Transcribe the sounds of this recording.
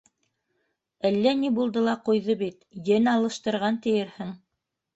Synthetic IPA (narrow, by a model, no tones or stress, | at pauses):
ælːænibulˠd̪ɤlˠɑqujðɤbit̪jɘnɑlˠɤ̆ʃt̪ɤ̆ɾʁɑnt̪ɘ̆jɘ̆ɾhɘŋ